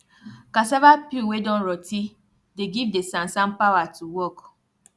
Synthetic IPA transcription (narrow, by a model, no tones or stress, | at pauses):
kasavapiwedɔ̃nɹɔti | deɡivdesãnsãmpawatʰuwɔk